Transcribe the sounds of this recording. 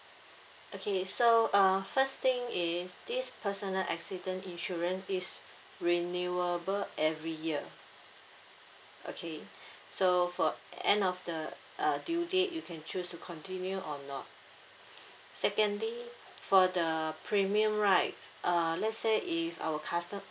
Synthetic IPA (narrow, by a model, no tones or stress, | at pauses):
ʔokʰesoafəst̪ɪ̃ŋisdispʰəsənəlʔɛ̰ksidə̃nĩnʃɔɹə̃nsis | ɹinuəbəlʔɛvɹijiə | ʔo̰kʰe | sofɔɛ̰̃ndɔfdə | ʔʌdjudeʔjukʰɛ̃nt͡ʃʰustukʰɔ̃ntĩnjuʔɔnɔ̰t̚ | sɛkə̃ndli | fɔdəpʰɹĩmiə̃mɹaɪtʔʌlɛtseʔifa̰wəkʰastə̃m